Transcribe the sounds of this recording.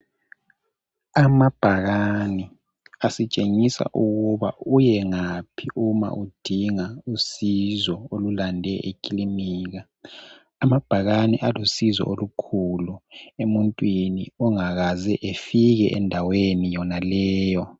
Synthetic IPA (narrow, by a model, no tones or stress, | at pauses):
amab̥ʱaɣani | asit͡ʃʼeŋisa̰ʔuɣuβa̰ujɛŋapʰiʔuma̰ʔud̥ʱiŋausizɔolulandʱɛʔekʼiliniːɣaː | mab̥ʱaɣaniʔalusizɔ̰ʔolukʰuluemuntʼwinḭɔŋaɣazɛʔefiɣɛʔɛndʱawenijɔnalɛːjɔ